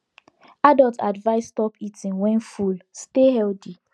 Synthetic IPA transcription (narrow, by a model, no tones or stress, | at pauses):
adɔlta̰dvaɪstɔpitĩnwɛ̃nfulstehɛlti